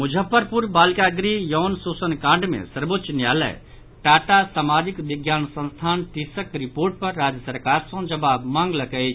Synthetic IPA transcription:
mud͡ʒʱəpːəɾpuɾbaːlkaɡɾijɔːnsosənkãɳɖmḛ̃səɾbot̪ːʃnjalɛ̰j | ʈaʈasamad͡ʒikʋiɡjaːnsə̃nst̪ʰaːnʈisəkɾipoɾʈ̚pəɾːad͡ʒjəsəɾkaɾsə̃d͡ʒəbabmãŋɡləkəɪt͡ʃʰ

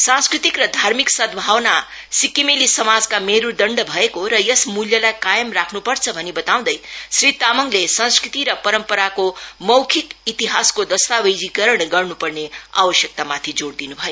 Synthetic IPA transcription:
sãnskɾit̪ikrʌd̪ʱaɾmiksʌd̪̚bʱawna | sikimilisʌmad͡zkameɾud̪ʌɳɖbʱʌekoɾʌjʌsmuljʌlajkajəmrakʰnupʌɾt͡sʰʌbʱʌnebʌt̪aw̃d̪ʌjsɾit̪amʌŋɡlesʌ̃ñskɾit̪iɾʌpʌɾʌmpʌɾakomʌwkʰikit̪iɦaskod̪ʌst̪abejd͡zikʌɾəɳɡʌrnupʌrnea̰wʌsjʌk̚t̪amat̪ʰid͡zoɽd̪inubʱʌjo

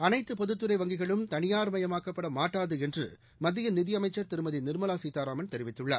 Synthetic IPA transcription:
ɐnɐɪt̪ːɯpɔðɯt̪ːɯɾɐɪʋɐŋɡɪɣɐɭɯmt̪ɐnɪjaːɾmɐjɐmaːkɐpːɐɽɐmːaːʈːaːðɯɛndrɯ̰ | mɐd̪ːɪjɐnɪðɪjɐmɐɪt͡ʃːɐɾt̪ɪɾɯmɐðinɪɾmɐlaːsiːt̪aːɾaːmɐnt̪ɛɾɪʋɪt̪ːɯɭːɐ

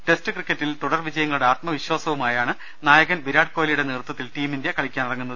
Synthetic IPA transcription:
ʈe̞stɨkrikʲːɐtːilt̪uɽɐrʋid͡ʑɐjɐŋːɐɭuɽe̞aːt̪mɐʋiɕwaːsɐʋumaːjaːɳɨ | naːjɐɣɐnʋiɾaːɽkoːlijuɽe̞neːrt̪wɐt̪ːilʈiːmindjɐkɐɭikʲːaːnirɐŋːunːɐðɨ

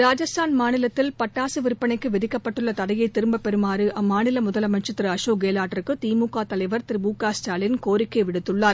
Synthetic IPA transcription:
ɾaːd͡ʒɐst̪ʰaːnmaːnɪlɐt̪ːɪlpɐʈːaːsɯʋɪɾɯpːɐnɐɪkːɯʋɛðɪkːɐpːɐʈːɯɭːɐt̪ɐɽɐjɐɪt̪ːɪɾɯmbɐpːɛɾɯmaːɾɯʔɐmːaːnɪlɐmʊðɐlɐmɐnt͡ʃɐt̪ːɪɾɯɐʂoːɡeːlaːʈːɐɾɯkːɯt̪iːmuːkaːt̪ɐlɐɪʋɐɾt̪ɪɾɪbuːkaːsʈaːlɪnkoːɾɪkːɐɪʋɪɽɯt̪ːɯɭːaːɾ

